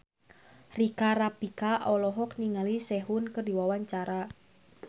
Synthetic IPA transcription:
rikaɾapikaʔɔlɔɦɔk̚niŋalisɛɦʊnkədi̤wawaɲt͡ʃaɾa

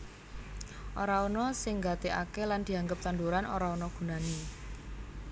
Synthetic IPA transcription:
ʔoɾaɔnɔsɪŋɡat̪eʔa̰keland̪̥i̤aŋɡəp̚t̪and̪uɾano̰ɾaɔnɔɡ̥ṳnani

